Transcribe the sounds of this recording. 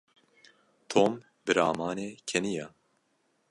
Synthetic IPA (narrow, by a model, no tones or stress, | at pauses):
t̪ʰoːm | bɨɾaːmaːneːkʰɛnija